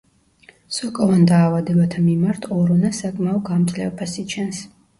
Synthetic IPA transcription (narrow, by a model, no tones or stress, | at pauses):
sɔkʼɔvand̪aːvad̪ɛbat̪ʰamimaɾt̪ʰɔɾɔnasakʼmaɔd̪ɡamt̪ʼlɛ̰vɛpʰasit͡ʃʰɛns